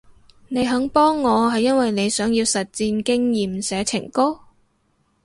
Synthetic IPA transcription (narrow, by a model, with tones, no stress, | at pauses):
ne˨˧jɦɐ˨˥ŋpɔː˥ŋːɔː˨˧ɦɐ˨jːɐ˥nwɐ˨jne˨˧jsœː˨˥ŋji˧wsɐ˨t̚t͡siː˧nkɪ˥ŋjiː˨msɛː˨˧t͡sʰɪ̰˨˩ŋko˥